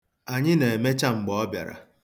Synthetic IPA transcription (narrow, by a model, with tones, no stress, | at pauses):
a˨ɲɪ˦ne˨e˨me˦t͡ʃa˦ŋ͡m̩˨ɡ͡bɔ˦ɔ˦bja̰˨ɾa̰˨